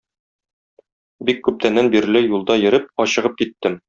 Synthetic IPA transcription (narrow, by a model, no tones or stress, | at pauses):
bikːʉp̚t̪ʰænːænbiɾ̆lɘjulˠd̪ɑjɘ̆ɾɘp̚ɒɕɤ̆ʁɤp̚kit̪ːɘm